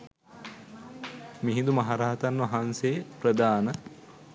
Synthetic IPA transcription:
miɦid̪umɐɦaɾaːt̪anʋɐɦanseːpɾəd̪aːnə

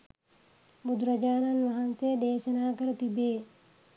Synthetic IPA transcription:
mud̪ɾɐd͡ʒaːnɐnʋɐɦɐnsejd̪eːʃɐnaːkɐɾɐt̪ibeː

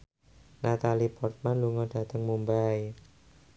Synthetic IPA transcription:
nat̪alipɔrt̪̚manluŋɔɖ̥a̤t̪əŋmumbaj

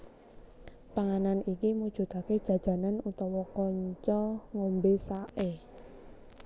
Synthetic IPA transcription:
paŋananikimud̥ʒ̥ṳt̪aked̥ʒ̥ä̤̥ʒ̥a̤nanut̪ɔwɔkɔɲt͡ʃɔŋombesaʔe

